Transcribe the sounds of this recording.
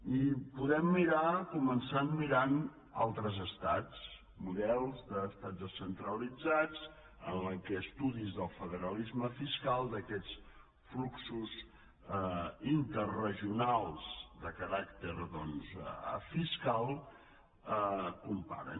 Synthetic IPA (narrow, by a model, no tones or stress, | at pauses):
ipuðɛmːiɾakumənsanmiɾan | a̰lˠt̪ɾəzəst̪at͡s | muðɛlˠzðəːst̪ad͡zðəsənt̪ɾəlid͡zad͡z | ənləkɛːst̪uðizðəlˠfəðəɾəlizməfiskalˠd̪əkɛt͡s | fluksuz | int̪ərrəʒiunalˠz̥d̪əkəɾakt̪əɾðɔnzfiskalˠ | əkumpa̰ɾə̰